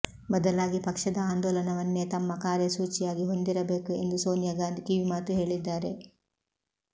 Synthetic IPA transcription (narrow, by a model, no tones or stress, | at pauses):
bɐd̪ɐlaːɡipɐkʂɐd̪ɐaːnd̪ɔːlɐnɐʋɐnːe̞t̪ɐmːɐkaːɾjɐsuːt͡ʃijaːɡiɦo̞nd̪iɾɐbe̞ːkue̞nd̪uso̞ːnjɐɡaːnd̪kiʋimaːt̪uɦe̞ːɭid̪ːaːɾe̞